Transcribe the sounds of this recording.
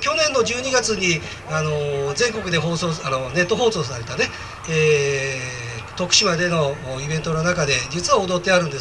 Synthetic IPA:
kʲo̞nẽ̞nːo̞d͡ʑɨːɲ̟iɡat͡sɨɲ̟i | ano̞zẽ̞ŋko̞kɯ̟d̪e̞ɦo̞ːsoːano̞ne̞t̪ːo̞ɦo̞ːsoːs̬aɾe̞t̪ane̞ː | t̪o̞kɯ̟̥ɕimad̪e̞no̞ibent̪o̞nonakad̪e̞d͡ʑit͡sɨβaod̪o̞t̪ːe̞aɾɯ̟̃nd̪e̞s

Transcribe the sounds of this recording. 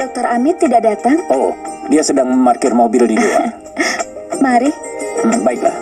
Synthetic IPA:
dɔk̚t̪ɔɾamɪt̪ːidaʔdat̪aŋodiasədaŋməmarkɪrmobɪldid͡ʒua̰ | maɾim̩baɪkla̰h

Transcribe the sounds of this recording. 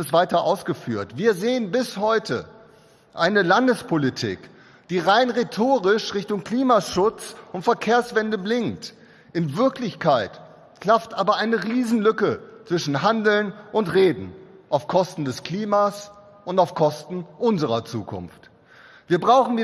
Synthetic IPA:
ɪstv̥aɪtɐʔaʊsɡ̥əfyːɐtv̥iːɐzeːənbɪshɔʏtʰə̰ | ʔaɪnəlandəspʰolitʰḭːk | d̥iːʁaɪnʁetʰoːʁɪʃʁɪçtʊŋkl̥iːmaʃʊt͡sʊntfɛɐkʰeːɐsv̥ɛndəblɪŋt | ʔɪnvɪɐklɪçkʰaɪt | kʰl̥aftʔaːbɐʔaɪnəʁiːzn̩lʏkət͡sv̥ɪʃn̩ɦandl̩nʔʊntʁeːdn̩ʔaʊfkʰɔstn̩dɛskl̥iːmas | ʊntaʊfkʰɔstn̩ʔʊnzəʁɐt͡sṵːkʰʊ̰nft | v̥iːɐbʁaʊxn̩viː

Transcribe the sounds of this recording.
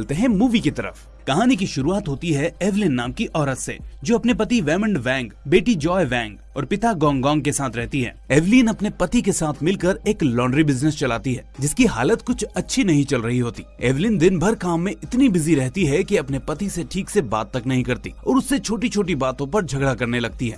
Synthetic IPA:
lt̪eɦɛ̃muːʋikit̪ɐɾə̰f | kɐɦaːnik̬iʃʊɾuaːt̪ɦoːt̪iɦɛeʋlɪnːaːmkiʔɔːɾət̪sḛd͡ʒoːɐpnep̬ɐt̪iʋɛːmə̃ɳɖʋɛ̃ːŋɡbeːʈid͡ʒɔːeʋɛ̃ːŋɡ | ɔːɾpɪt̪aɡɔ̃ːŋɡɔ̃ːŋɡ̚kesaːt̪ʰɾɛɦt̪iɦɛ̰ːeːʋliːnɐpnepɐt̪ikesaːt̪ʰmɪlkɐɾeːklɔ̃ːɳɖɾibɪznɪst͡ʃɐlaːt̪iɦɛ̰ːd͡ʒɪskiɦa̰ːlət̪kʊt͡ʃʰɐtːʃʰinɐɦĩt͡ʃɐlɾɐɦiɦoːt̪i̥ːeːʋlɪnd̪ɪnbʱɐɾkaːmːẽɪt̪nibɪziɾɛɦt̪iɦɛkiɐpnepɐt̪iseʈʰiːkseba̰ːt̪ːɐknɐɦĩkɐɾt̪ḭːɔ̰ːɾʊsːet͡ʃʰoːʈ̬it͡ʃʰoːʈ̬ibaːt̪õpɐɾd͡ʒʱɐɡɽakɐɾnelɐɡ̚t̪iɦɛ̰ː

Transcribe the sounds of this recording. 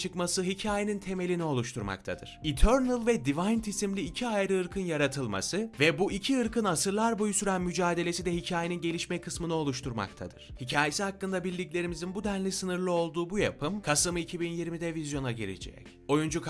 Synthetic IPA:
t͡ʃʰɯkmasɯɦicʰaːjenint̪ʰe̞me̞lʲinio̞lˠuʃt̪ʰuɾma̰kt̪ʰad̪ɯ̰ɾ̥it̪ʰøɾnɯlˠvɛd̪ivajnt̪ʰisimlʲiːcʰiajɾɯɯɾkʰɯnjaɾat̪ʰɯlˠma̰sɯvɛbuʔicʰiɯɾkʰɯnasɯɾlˠaɾbo̞jusyɾænmyd͡ʒaːd̪e̞lʲe̞sid̪ɛhicʰaːje̞ninɟe̞lʲiʃmɛkʰɯsmɯnɯo̞lˠuʃt̪ʰuɾma̰kt̪ʰa̰d̪ɯɾ̥hicʰaːjesihakːɯnd̪abilʲːiclʲe̞ɾimizinbud̪ænlʲisɯnɯɾlˠɯo̞lˠd̪uːbuja̰pʰɯmkʰasɯmɯicʰibinjiɾmid̪ɛvizjo̞naɟiɾḭd͡ʒɛ̰c | o̞jund͡ʒuk

